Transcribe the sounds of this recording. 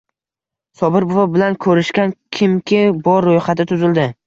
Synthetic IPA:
sɒbɪɾbovabɪlankʰɵɾɪʃkʲankʲʰɪmkʲʰɪbɒɾːojχat̪ʰɪt̪ʰʊzɪld̪ɪ

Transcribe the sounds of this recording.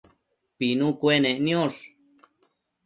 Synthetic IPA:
pinũkwenẽʔnĩoʂ

